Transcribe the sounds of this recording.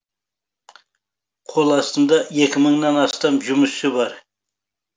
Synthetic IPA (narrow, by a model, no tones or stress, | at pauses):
qʰo̞lˠɑst̪ənd̪ɑje̞kʲɪməɴnɑnɑst̪ɑmʒʊməsɪbɑɾ